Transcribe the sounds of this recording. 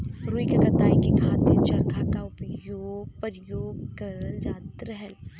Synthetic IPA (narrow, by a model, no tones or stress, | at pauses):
ɾuːikɐkɐt̪aːikikʰaːt̪ɪt͡ʃɐɾkʰakaʊpjoːɡ̚pəɾjoːɡ̚kɐɾəld͡ʒaːt̪ɾəɦɛl